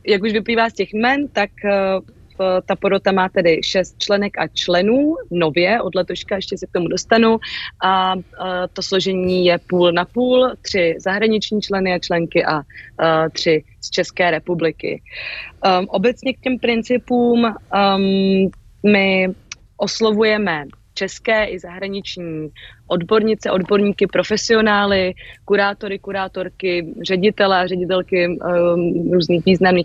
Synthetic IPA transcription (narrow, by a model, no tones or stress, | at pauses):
jakuʃvɪpliːvaːscɛxmɛnt̪ak | t̪apoɾot̪amaːt̪ɛdɪʃɛst̪̚t͡ʃlɛnɛka̰t͡ʃlɛnuːno̞vjɛʔo̞dlɛt̪oʃkaɛʃcɛsɛk̚t̪omudo̞st̪anuʔa | t̪o̞slo̞ʒɛɲiːjɛpuːlnapuːlt̪r̝̥ɪzaɦɾaɲɪt͡ʃɲiːt͡ʃlɛnɪat͡ʃlɛŋkɪʔa | t̪r̝̥ɪ | st͡ʃɛskɛːɾɛpublɪkɪ̰ | ʔo̞bɛt͡sɲɛk̚cɛmpɾɪnt͡sɪpuːm | mɪ | ʔo̞slo̞vujɛmɛt͡ʃɛskɛːʔɪzaɦɾaɲɪt͡ʃɲiːʔo̞dbo̞ɾɲɪt͡sɛʔo̞dbo̞ɾɲiːkɪpɾo̞fɛsɪo̞naːlɪkuɾaːt̪o̞ɾɪkuɾaːt̪o̞ɾkɪr̝ɛɟɪt̪ɛlɛarɛɟɪt̪ɛlkɪ | ɾuːzniːxviːznamniː